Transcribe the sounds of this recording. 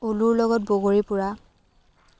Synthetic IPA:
uluɹlɔɡɔt̚boɡoɹipʊɹa

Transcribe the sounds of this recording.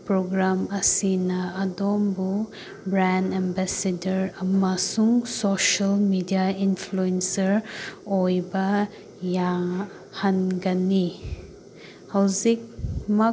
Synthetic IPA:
pɾoɡɾamɐsinɐːdombu | bɾandembasedɐɾɐmɐsuŋsoʃɐlmidijainpʰluensɐɾojbɐ | ja | hɐnɡɐni | hɐwzik̚mɐ

